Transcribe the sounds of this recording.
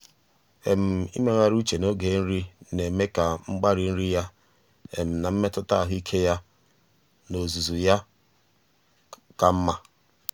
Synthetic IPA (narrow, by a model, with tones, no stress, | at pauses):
e˨m̩˨ḭ˦me˦ŋa˨ɾu˦t͡ʃe˨no˦ɡe˨˦n̩˦ɾi˦ne˨me˦ka˨ŋ͡m̩˦ɡ͡ba˦ɾi˨n̩˦ɾi˦ja˦ | ḛ˨m̩˨na˨m̩˦me˦tʊ˦ta˦a˨ɦʊ˦i˦kʰe˦ja˦ | no˨zu˨zu˨ja˦ | ka˨m̩˦ma˦